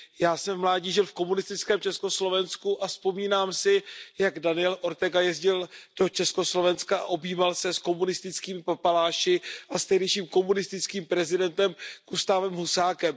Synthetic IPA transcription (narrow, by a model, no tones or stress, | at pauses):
jaːsɛmvmlaːɟiːʒɪlfko̞munɪst̪ɪt͡skɛːmt͡ʃɛsko̞slo̞vɛnskuʔaspo̞miːnaːmsɪjaɡdanɪjɛlʔo̞ɾt̪ɛɡajɛzɟɪld̥o̞t͡ʃɛsko̞slo̞vɛnskaa̰ʔo̞biːvalsɛsko̞munɪst̪ɪt͡skiːmɪpapalaːʃɪʔast̪ɛɦdɛjʃiːmko̞munɪst̪ɪt͡skiːmpɾɛzɪdɛnt̪ɛmkust̪avɛmɦusaːkɛm